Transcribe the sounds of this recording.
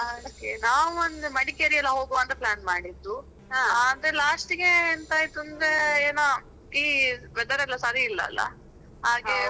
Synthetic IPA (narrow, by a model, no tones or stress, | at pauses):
okenaːʋuond̪umɐɽikeɾiɛlːɐɦo̞ːɡoɐnt̪ɐplaːnmaːɽid̪ːu | ad̪ɾelaːsʈiŋeint̪aːjit̪und̪ɾeeːnaː | iːʋɛd̪ɐɾɐlːɐsaːɾiilːɐ̰ːlːɐ̰ | ɦaːɡe